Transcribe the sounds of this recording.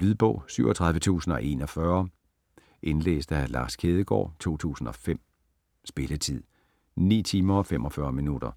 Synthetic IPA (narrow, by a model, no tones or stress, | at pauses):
lyðˠb̥ɔ̽ʊ̰syʊɒ̽t͡sʰʁɑ̈ð̞ˠʋət͡sʰṵːsn̩ɒ̽ʔe̝̰nɒ̽fɶɐ | ʔe̝nlḛːsd̥ælɑ̈skʰeːðˠəɡ̥ɒ̰ːt͡sʰo̝̰ːt͡sʰṵːsn̩ɒ̽fem̰ | sb̥e̝lət͡sʰið̞̰ˠ | nḭːt͡sʰiːmɐɒ̽fem̰ɒ̽fɶɐminud̥ɐ